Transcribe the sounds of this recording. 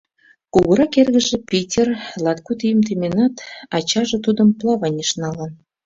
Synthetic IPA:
kuɣɤɾɑkerɣə̆ʒĕpʲitʲerlɑt̪kut̪ijəmt̪emʲenɑt̪ɑt͡ɕɑʒɤ̆t̪ud̪ə̆mplˠɑβɑnʲiʃnɑlɑn

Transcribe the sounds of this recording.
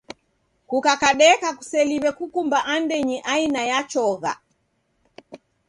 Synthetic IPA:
kukakaɗɛkaku̥sɛliwɛkukumbaʔandɛɲiʔainajat͡ʃɔɣa̰

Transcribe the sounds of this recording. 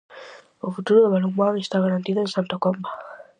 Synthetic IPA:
oβutuɾueβalumwaβesi̥taɣaɾantiðoensantakomba

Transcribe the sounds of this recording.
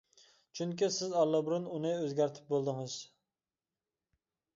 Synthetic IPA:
t͡ʃʰyŋkʲisɪzɑlˠːɨbɾununɨøzɡʲæɾt̪ʰɪ̥p̚bolˠd̪ɨŋɨz̥

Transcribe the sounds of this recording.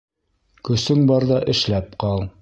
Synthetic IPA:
kɵ̆sɵŋbɑɾðɑʔɘ̆ʃlæp̚qɑlˠ

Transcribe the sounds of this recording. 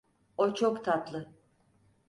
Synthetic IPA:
ot͡ʃʰokt̪ʰat̪lˠɯ

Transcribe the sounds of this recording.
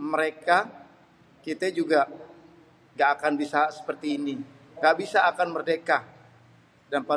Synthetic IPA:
məɾeka | kit̪ed͡ʒuɡa | ŋɡaʔːkanbisasə̥pərt̪iːni | ŋɡaʔbisaːkanmərdeka | danpa

